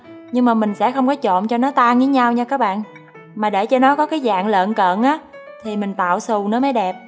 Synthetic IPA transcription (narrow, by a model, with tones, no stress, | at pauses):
ɲɨ˧ŋmaː˨˩mï˨˩ŋ̟sɛ̰˧˥xə˧wŋ͡mkɔ˨˦t͡ɕo̰˧˨nt͡ɕɔ˧nɔ˨˦t̪aː˧ŋi˨˦ɲa˧wɲa˧kaː˨˦˥k̚ɓa̰ː˧˨n | maː˨˩ɗe˧˩t͡ɕɔ˧nɔ˨˦kɔ˨˦kaː˨˦jza̰ː˧˨ŋlə̰ː˧˨nkə̰ː˧˨nʔaː˨˦ | t̪ʰi˨˩mï˨˩ŋ̟t̪a̰ː˧˨wsu˨˩wnə˨˦maː˨˦jɗɛ˨˩p̚